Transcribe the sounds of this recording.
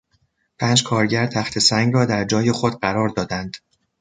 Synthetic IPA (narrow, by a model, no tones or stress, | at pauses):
pʰæːnd͡ʒkʰɒːɾɟæɾt̪ʰæxt̪ʰe̞sæŋɡɾɒːd̪æɾd͡ʒɒːje̞xod̪ɢæɾɒːɾd̪ɒːd̪ænd̪̥